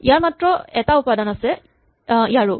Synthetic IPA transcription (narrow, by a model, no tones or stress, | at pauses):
ijaɹmatɹɔɛtaupadanasɛ | ijaɹu